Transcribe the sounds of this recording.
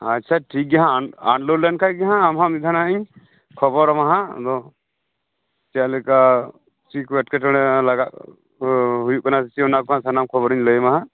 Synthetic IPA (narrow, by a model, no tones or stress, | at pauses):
atːt͡ʃʰaʈʰik̚ɡaɦãa̰ɳlulɛnkʰajɡaɦãːmɦamid̪ʱanaʔiɲ | kʰɔbɔɾmaɦad̪ɔ | t͡ʃalɛka | t͡ʃikwɛʈkɛʈɔɽ̃ɛlaɡaʔ̚ | ɦujuʔkanasit͡ʃiɔnakɔãʔsanamkʰɔbɔɾiɲləjmaɦa